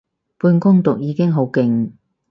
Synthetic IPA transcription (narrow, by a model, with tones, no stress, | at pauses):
puː˧nkʊ˥ŋt̪ʊ˨k̚jiː˨˧kɪ˥ŋɦo˨˥wkɪ˨˩ŋ